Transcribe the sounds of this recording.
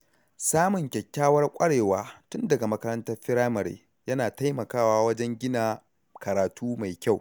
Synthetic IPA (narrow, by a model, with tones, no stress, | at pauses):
saː˦mʊ˨ŋkʲɛ˨kʲːaː˦wɐ˦rkʷʼɐ˦ɽeː˨waː˦tʊ˦ndɐ˨ɡa˨mɐ˦kɐ˦ɾɐ˦ntɐ˦rɸɪ˦ɾaː˦mɐ˨ɾḛː˦ | jɐ˦naː˨ta˦jmɐ˨kaː˦˨waː˦wɐ˦d͡ʒɛ˦ŋɡʲɪ˦naː˨ | kɐ˨ɾaː˨tuː˦ma˨jkʲa˦˨w